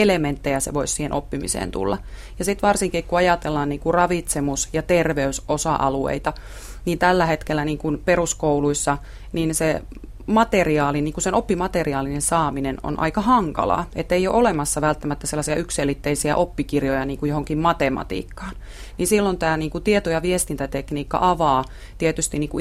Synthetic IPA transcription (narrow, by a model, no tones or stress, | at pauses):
element̪ːejæsḛʋoissiːhenʔopːimḭsḛːnt̪ṵlːɑ̰ | jɑsit̪ʋɑrsiŋkikkuɑjɑt̪elːɑːniːŋkurɑʋit̪semusjɑt̪erʋeysʔosɑ̰ʔɑluḛit̪ɑ | niːnt̪ælːæhet̪kelːæniːŋkunperuskouluisːɑ | ninse | mɑt̪eriɑːliniːŋkusenopːimɑt̪eriɑːlinensɑːmineno̰nʔɑ̰ikɑhɑŋkɑ̰lɑ̰et̪ːeijo̰ʔolemɑsːɑʋælt̪ːæmæt̪ːæselːɑsiɑykselːit̪ːeisiæ̰ʔopːikirjojɑniːŋkujo̞hoŋkimmɑt̪emɑ̰t̪ḭːkːɑ̥ːn | ninsilːont̪æːniːŋkut̪iet̪ojɑʋiest̪int̪æt̪ekniːkːɑ̰ʔɑʋɑː | t̪iet̪yst̪iniːŋku